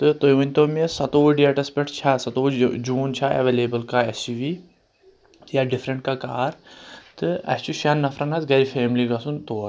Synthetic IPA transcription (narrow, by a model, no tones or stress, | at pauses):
t̪ɨt̪ojʋunʲt̪oːmesɐt̪oːɖiaʈɐspeʈʰt͡ʃʰasɐt̪oːd͡ʒuːnt͡ʃʰaːɛ̰ʋeːleːbəlkaesiʋi | jaɖɪfɾɐ̃ɳʈkakaːɾt̪ɨɐ̰st͡ʃuʃanːɐfʰɾɐnɐzɡɐɾifʰeːmliɡɐsunt̪oː